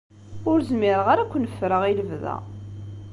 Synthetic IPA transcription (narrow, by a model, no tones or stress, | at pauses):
ʊɾzmɪɾəʁaɾækʷːnəfːɾəʁiləvðæ̰